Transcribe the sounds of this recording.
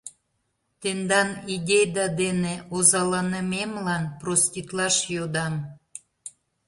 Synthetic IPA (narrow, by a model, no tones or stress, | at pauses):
t̪end̪ɑnidʲejd̪ɑd̪eneozɑlɑnəmemlɑnprost̪ʲit̪lɑʃjod̪ɑm